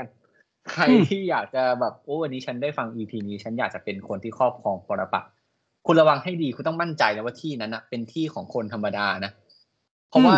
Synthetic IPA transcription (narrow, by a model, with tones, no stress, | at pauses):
kʰa˧jt̪ʰiː˥˩jaː˨˩k̚t͡ɕa˨˩bɛː˨˩p̚ʔoː˦˥˩wa˧nːiː˦˥t͡ɕʰa˦˥ndaː˥˩jfa˧ŋʔiː˧p̪ʰiː˧niː˧˩t͡ɕʰa˦˥njaː˨˩k̚t͡ɕa˨˩pe˧nkʰo˧nt̪ʰiː˥˩kʰɔː˥˩p̚kʰɔː˧ŋpɔː˧ɾa˧pa̰˨˩t̚ | kʰu˧nla˧wa˧ŋha˥˩jdiː˧kʰu˧nt̪ɔ˥˩ŋma˥˩nt͡ɕa˧jla˦˥waː˥˩t̪ʰiː˥˩na˦˥nːa˨˩pe˧nt̪ʰiː˥˩kʰɔː˩˦ŋkʰo˧nt̪ʰa˧mːa˧daː˧na˦˥ | pʰɔ˦˥waː˥˩